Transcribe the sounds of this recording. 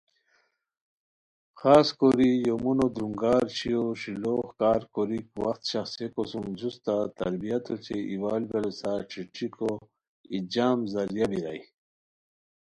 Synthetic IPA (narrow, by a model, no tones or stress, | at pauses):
xaːskoɾijomunod̪ɾuŋɡaːɾt͡ɕijoʂiloxkaːɾkoɾikwaxt̪ɕaxsekosumd͡ʑust̪at̪ɐ̰ɾbijat̪ʰot͡ɕeʔiwaːlbelosaʈ͡ʂʰiʈ͡ʂiko | id͡ʑaːmzɐɾjabiɾa̰j